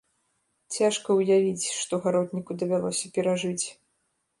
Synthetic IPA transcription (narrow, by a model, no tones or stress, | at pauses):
t͡sʲaʂkɐwjavʲit͡sʲʂt̪ɔɣaɾɔd̪nʲikud̪ɐvʲalˠɔsʲɐpʲɛɾaʐɨt͡sʲ